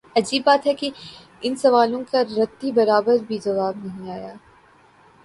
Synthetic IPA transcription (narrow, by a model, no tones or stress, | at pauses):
ɐd͡ʒiːbːaːt̪ɦɛki | ɪnsɐʋaːlõkaɾɐt̪ːibɐɾaːbəɾbʱid͡ʒɐʋaːbnɐɦĩaːjaː